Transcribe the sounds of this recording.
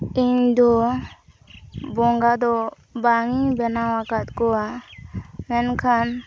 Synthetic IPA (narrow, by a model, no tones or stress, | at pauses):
iɲd̪ɔ | bɔŋɡad̪ɔ | baŋibɛnawakat̪kɔa | mɛnkʰan